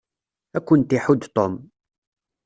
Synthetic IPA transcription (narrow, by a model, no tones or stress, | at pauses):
ækʷːənt̪iħud̪t̪ˤom